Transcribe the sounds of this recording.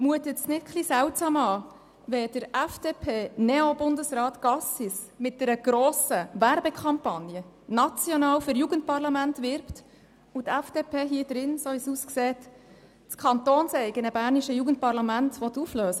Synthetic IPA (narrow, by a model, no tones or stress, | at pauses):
muət̪ət͡snɪt̚kʰlisæwtsɑːmɑː | ʋɛd̥əɾæfd̥epʰeːnɛobʊndəsrɑːtɡ̥ɑsis | mɪt̚d̥ɛɾəɡ̥ɾoːsəvæɾbekʰɑmpɑnjə | nɑt͡sjɔnɑːwfʏɾjuɡənt̚pɑrlɑmæntʋɪɾpt | utæfd̥eːpʰeːɦiəd̥ɾɪnsoːʋisuskseːt | t͡skʰɑntoːnsɛɪɡənəbæːrniʃəjuɡənt̚pɑrlɑmæntʋɔt̪ːufløːsə